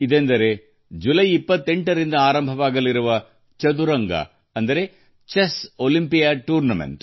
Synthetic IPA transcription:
id̪end̪ɐɾe | d͡ʒulɐjipːɐt̪ːeɳʈɐɾind̪ɐaːɾɐmbʱɐʋaːɡɐlːiɾuʋɐ | t͡ʃɐd̪uɾɐŋɡɐ̰ | ɐnd̪ɐɾe | t͡ʃesolimpijaʈuːɾnɐmḛɳʈ

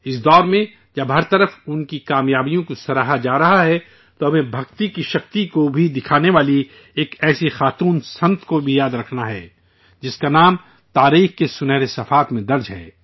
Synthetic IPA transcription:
ɪs̬d̪ɔːɾmẽ | d͡ʒɐbɦɐɾt̪ɐɾəfʊnkikaːmjaːbijõkosɐɾaːɦad͡ʒaːɾɐɦaɦɛ | t̪oɦɐmẽbʱɐkt̪ikiʃɐk̚t̪ikobʱid̪ɪkʰaːneʋaːli | eːkɛːsixaːt̪uːnsɐ̃nt̪ʰkobʱijaːd̪ɾɐkʰnaɦɛ̰ː | d͡ʒɪskanaːm | t̪aːɾiːxkesʊnɛɾesɐfaːt̪mẽd̪ɐɾd͡ʒɦɛ̰ː

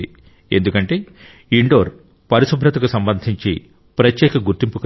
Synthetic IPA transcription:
i | end̪ukɐɳʈe̞ː | iɳɖo̞ːɾ | pɐɾisubʱɾɐt̪ɐkusɐmbɐnd̪ʱiɲt͡ʃi | pɾɐt̪jɛːkɐɡuɾt̪impuk

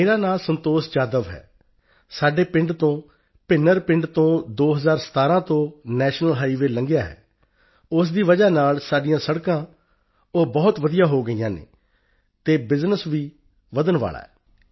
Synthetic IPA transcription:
eːɾaːnaːlsənt̪oːsd͡ʒaːd̪əʋɦɛ̰ː | saːɖeːpɪɳɖt̪õː | pɪnːəɾpɪɳɖt̪õːd̪oːɦəzaːɾsə̥t̪aːɾãːt̪õːnɛːʃnəlɦaːiːʋeːləŋɡjaːɦɛ̰ː | ʊs̬d̪iːʋəd͡ʒaːnaːlsaːɖɪjãːsəɽkãː | oːbɔːt̪ʋəd̪ijaːɦoːɡəiːãːnḛː | t̪eːbɪznəsʋiː | ʋəd̪ənʋa̰ːɭa̰ːɛː

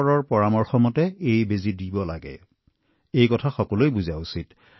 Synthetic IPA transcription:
ɹɔɹpɔɹamɔɹxɔmɔtɛejbezidibɔla̰ɡɛ̰ | ejkɔtʰaxɔkɔlojbuzausit

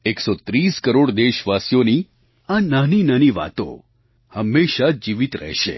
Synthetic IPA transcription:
eksot̪ɾiskəɾoɽd̪eʃʋasjoni | ananinaniʋa̰t̪õ̰ | həmːeʃad͡ʒiʋit̪ɾə̰ɦʃḛ

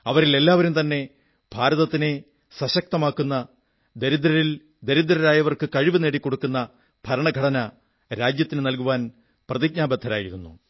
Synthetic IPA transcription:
ɐʋɐɾile̞lːaːʋɐɾumt̪ɐnːe̞ | b̥ʱaːɾɐðɐt̪ːine̞ | sɐɕɐk̚t̪ɐmaːkːunːɐ | d̪eɾid̪ɾɐɾil | d̪e̞ɾud̪ɾɐɾaːjɐʋɐrkɨkɐɻiʋɨne̞ːɽikːo̞ɽukːunːɐ | b̥ʱɐɾɐɳɐɡʱɐɽɐnɐ | ɾaːd͡ʑjɐt̪ːinɨnɐlkuʋaːn | prɐðiɡ̚ɲaːbɐd̪ʱːɐɾaːjiɾunːṵ

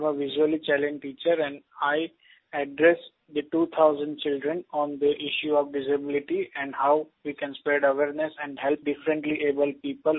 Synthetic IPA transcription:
məʋɪʒuəlit͡ʃɛlẽnd͡ʒʈiːt͡ʃəɾɛ̃ɳɖaɪ | ɛɖɾɛs | d̪əʈuːt̪ʰaʊzə̃ɳɖ̚t͡ʃɪlɖɾə̃nɔ̃ːnd̪əʔɪʃjuɔːʋɖɪzəbɪlɪʈiɛ̃ɳɖhaʊ | ʋiːkɛ̃nspeːɖəʋeɾnesɛ̃ɳɖɦɛlp̚ɖɪfɾə̃ɳʈliʔeːbəlpiːpəl

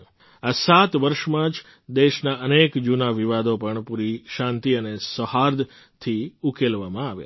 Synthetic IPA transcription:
asat̪ʋəɾʃmãd͡ʒ | d̪eʃnaʔənekd͡ʒunaʋiʋad̪opəɳpuɾiʃãnt̪iənesəhaɾd̪ | t̪ʰiukelʋamãaʋja̰

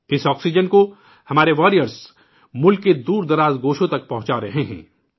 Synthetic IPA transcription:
ɪsɔːksid͡ʒənko | hɐmaːɾeʋɔːɾijəɾs | mʊlkːed̪uːɾd̪ɐɾaːzɡoːʃõt̪ɐk̚pɐɦʊ̃t͡ʃaɾɐɦeɦɛ̰̃ː

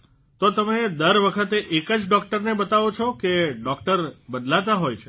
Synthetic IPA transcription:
t̪ot̪əmed̪əɾʋəkʰət̪eʔekəd͡ʒɖɔk̚ʈəɾnebət̪aʋot͡ʃʰɔkeɖɔkʈəɾbəd̪lat̪aɦojt͡ʃʰe

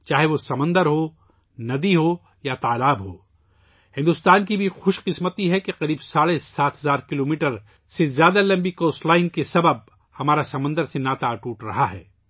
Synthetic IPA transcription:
t͡ʃaːɦeʋosɐmə̃nd̪əɾɦo | nɐd̪iɦoː | jat̪aːlaːbɦo̰ː | hɪ̃nd̪ʊst̪aːnkibʱixʊʃqɪsmət̪iɦɛkeqɐɾiːbsaːɽesaːt̪ʰɦɐzaːɾkɪloːmiːʈəɾ | sezjaːd̪alɐ̃mbikoːsʈlaːɪnkesɐbəb̚ | hɐmaːɾasɐmə̃nd̪əɾsenaːt̪aːʈuːʈɾɐɦaɦɛ̰ː

